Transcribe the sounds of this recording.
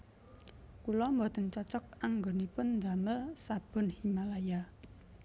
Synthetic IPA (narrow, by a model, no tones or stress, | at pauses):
kulɔmbɔt̪ənt͡ʃɔt͡ʃɔk̚aŋɡonipʊnd̪aməlsab̥ʊ̤nhimalaja